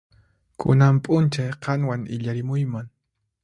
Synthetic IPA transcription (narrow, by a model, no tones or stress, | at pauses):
kʰʊ̰nampʼʊnt͡ʃajqɑŋwaŋɪ̰ʎaɾɪmʊjmaŋ